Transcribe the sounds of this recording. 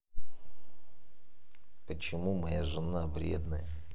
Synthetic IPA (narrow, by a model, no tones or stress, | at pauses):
pət͡ɕɪmumɐjaʐɨnavɾʲḛd̪nəjə